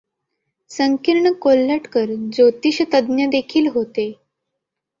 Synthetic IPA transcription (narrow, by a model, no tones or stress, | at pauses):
səŋkiɾɳəkolːəʈkəɾd͡zot̪iːɕət̪əd̪njəd̪ekʰiːlɦot̪e